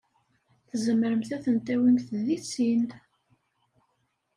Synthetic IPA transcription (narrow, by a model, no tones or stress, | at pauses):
θəzəmːəɾəmθæθənt̪æwimθðit͡sːin